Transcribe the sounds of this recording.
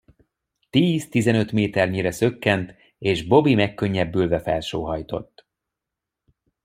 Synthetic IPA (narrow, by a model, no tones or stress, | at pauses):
t̪iːzt̪izɛnø̞t̪meːt̪ɛrɲiɾɛsø̞kːɛnt̪ | eːʒbo̞bimɛkːø̞ɲːɛbːylvɛfɛ̰lʃoːɦɒjt̪o̞̰t̪ː